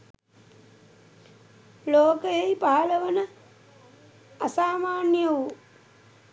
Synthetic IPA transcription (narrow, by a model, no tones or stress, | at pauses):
loːkəjejpaɦɐləʋənə | asaːmaːnjəʋu